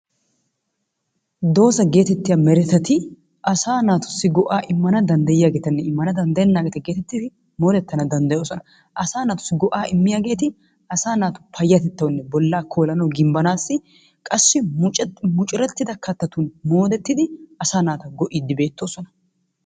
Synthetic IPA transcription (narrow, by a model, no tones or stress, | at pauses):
d̪o̞ːsɐɡe̞ːt̪ɛt̪ːɪjaːmɛɾɛt̪ɐt̪ɪ | ʔɐsaːnaːt̪ʊ̥sːɪɡɔʔaːʔɪmːɐnɐd̪ɐnd̪ɐjɪjaːɡe̞ːt̪ɐnːɛɪmːɐnɐd̪ɐnd̪ɐjɛnːaːɡʼɐt̪ɛɡe̞ːt̪ɛt̪ːɪt̪ɪ | mo̞ːd̪ɛt̪ːɐnɐd̪ɐnd̪ɐjo̞ːsɔnɐ | ʔɐsaːnaːt̪ʊ̥sːɪɡɔʔaːɪmːɪjaːɡe̞ːt̪ɪ | ɐsaːnaːt̪ʊ̥pʰɐjːɐt̪ɛt̪ːɐwnːɛbɔlːaːkʰo̞ːlɐnɐwɡɪmbɐnaːsːɪ | kʼɐsːɪmʊt͡ʃʼmʊt͡ʃʼɾɛt̪ːɪd̪ɐkʰɐt̪ːɐt̪unmo̞ːd̪ɛt̪ːɪd̪ɪɐsaːnaːt̪ɐɡɔʔid̪ːɪbeːt̪ːo̞ːsɔnɐ̥